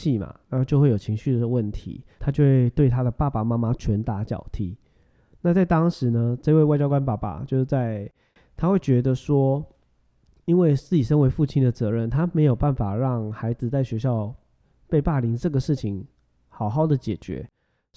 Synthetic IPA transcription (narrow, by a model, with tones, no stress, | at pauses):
i˥˩ma̰˨˩na˨˧˥t͡ɕjo˥˧ʊxwe˥˩jo˨˩ʊt͡ɕʰi˧˥ŋɕy˥˩d̪ə˨˩wə˥˩nt̪ʰḭ˧˦t̪ʰa˥t͡ɕjo˥˧ʊxwe˥˧ɪt̪we˥˩ɪt̪ʰa˥d̪ə˨pa˥˩pa˨˩ma˥ma˧t͡ɕʰɥɛ˧˥nt̪a˧˥t͡ɕjɑ̰˨˩ʊt̪ʰi˧˥˦ | na˥˧t͡sa˥˩ɪt̪ɑ˥ŋʂɻ̩˧˥˦nə˦ʈ͡ʂə˥˧i˧we˥˧ɪwa˥˩t͡ɕjɑ˥kwa˥npa˥˩pa̰˨˩t͡ɕjo˥˧ʊʂt͡sa˥˧ɪ | t̪ʰa˥xwe˥˩ɪt͡ɕɥɛ˧˥d̪ə˧ʂwɔ˥ | i˥nwe˥˩ɪsɹ̩˥˩i˨˩ʂə˥ŋwe˧˥ɪfu˥˩t͡ɕʰi˥nd̪ə˨t͡sɤ˧˥ɻə˥˩˨nt̪ʰa˥me˧˥ɪjo˨˩ʊpa˥˩nfa˨˩ɻɑ˥˩ŋxa˧˥ɪd͡zɹ̩˧t͡sa˥˩ɪɕɥɛ˧˥ɕ̬jɑ˥˧ʊ | pe˥˧ɪpa˥˩li˧˥ŋʈ͡ʂɤ˥˩ɡə˩ʂɻ̩˥˩t͡ɕʰi˨˦ŋ | xɑ˨˩ʊxɑ˥˩ʊd̪ə˩t͡ɕjɛ˨˩t͡ɕɥɛ̰˧˥˦